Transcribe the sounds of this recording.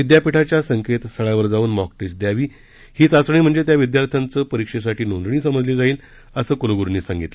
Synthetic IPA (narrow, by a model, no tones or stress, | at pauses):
ʋid̪japiʈʰat͡ɕjasəŋket̪st̪ʰəɭjaʋəɾd͡zauːnmɔkʈesd̪jaʋiː | hiːt͡sat͡sɳ̃iːm̤əɳd͡zet̪jaʋid̪jaɾt̪ʰjant͡səːpəɾikʂes̬aʈiːnõnd̪ɳiːsəməd͡zliːd͡zaiːl | əsəːkuloɡuɾniːsãŋɡit̪lə